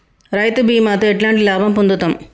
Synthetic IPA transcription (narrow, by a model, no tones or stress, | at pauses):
ɾɐjt̪ɯbiːmaːt̪ɐeʈlaːɳʈilaːbɐmpund̪ut̪ːɐm